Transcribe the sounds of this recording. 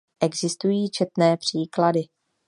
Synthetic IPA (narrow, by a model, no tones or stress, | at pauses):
ʔɛɡzɪst̪ujiːt͡ʃɛt̪nɛːpr̝̥iːkladɪ